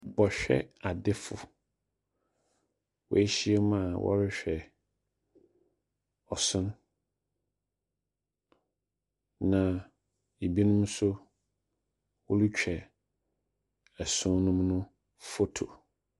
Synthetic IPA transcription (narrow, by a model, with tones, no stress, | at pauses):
bɔ˨ɕᶣɛ̰˦a˨dɪ˦fʊ̰˨ | wɔ̰˨˦e˦ɕi˦e˦m̃˦a˨wʔɔ̰˦ɾɪ˦ɕᶣɛ˨ | ɔ˨sʊ̃˦n | nã˨ | e˨bi˦nʊ̃˦m˦sʊ˦ | wɔ˦li˦t͡ɕᶣʰɛ˨ | ɛ˨sʊ̃˦nʊ̃˦mnʊ̃˦ | fo˦tʰo̰˨